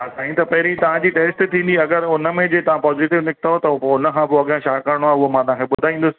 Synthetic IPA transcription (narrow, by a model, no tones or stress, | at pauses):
ɦasaːɦĩt̪ɐpɐɦɪɾĩt̪ɐʋ̤ãd͡ʑiːʈeːsʈt̪ʰĩːnd̪iɐɡəɾʊnəmẽd͡ʑeːt̪ɐʋ̤ãpɔːziːʈɪʋnɪkʰt̪aɦot̪ɐpoʊnə̆kʰãbɪɐɠãʃaːkəɾɽ̃oaːɦeʊɦomãt̪ːãkʰeɓʊd̪ʱaːĩːn̆d̪ʊsɪ̥